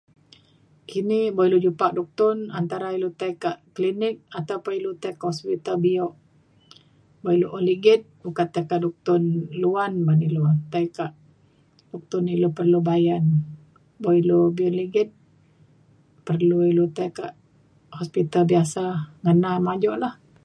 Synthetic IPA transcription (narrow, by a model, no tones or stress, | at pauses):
kʰiniboilud͡ʒupaʔ̚dɔk̚t̪ʊnant̪aɾailut̪aikaʔklinɪk̚at̪awpailut̪aikaʔhɔspit̪albiɔʔ | boiloʔoliɡɪt̪̚bukat̪ajkaʔdɔk̚t̪ʊnluanbanilut̪aikaʔ | dɔk̚t̪ʊnilopərlubajan | boilobiɔnliɡɪt̪̚ | pərluilut̪aikaʔ | hɔspit̪albiasaŋənamad͡ʒɔʔlah